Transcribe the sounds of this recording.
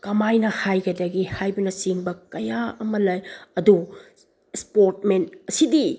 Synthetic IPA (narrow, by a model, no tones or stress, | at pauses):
kɐmajnɐhajɡɐdɐɡihajbɐnɐsiŋbɐkɐjaɐmɐlɐjɐdu | espoɾt̚mentɐsidi